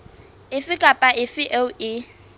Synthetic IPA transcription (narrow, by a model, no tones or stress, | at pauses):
ɪfɪkʼapʼaʔɪfɪʔeʊɪ